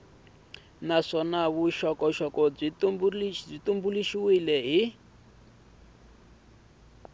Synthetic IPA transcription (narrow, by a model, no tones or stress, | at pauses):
naʂɔnaβuʃɔkɔʃɔkɔitubd͡zit̪umbuliʃiwilɛɦi